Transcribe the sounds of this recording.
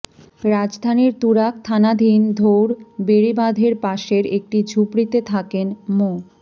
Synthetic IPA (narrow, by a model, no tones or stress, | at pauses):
ɾad͡ʑd̪ʱaniɾt̪uɾak̚t̪ʰanad̪ʱind̪ʱowɾbeɾibad̪ʱeɾpaʃeɾek̚ʈid͡ʑʱupɾit̪et̪ʰakenmo